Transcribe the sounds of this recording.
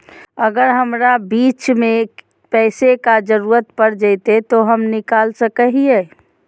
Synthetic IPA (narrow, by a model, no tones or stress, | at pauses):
əɡəɾɦəmɾabiːt͡ʃmẽ | pɛːsekad͡ʒəɾuɾət̪pəɾd͡ʒət̪et̪oɦəmnɪkaːlsəkəɦiɛ